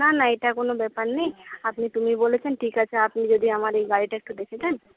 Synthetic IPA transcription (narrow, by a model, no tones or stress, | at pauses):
nanaːiʈakonobɛːpannejapnit̪ʊmiboːlet͡ʃʰanʈʰiːkat͡ʃʰaapnid͡ʒod̪ʱiɦɐmaːɾeɡaːɽiʈɐk̚ʈ̪od̪eːkʰet͡ʃʰan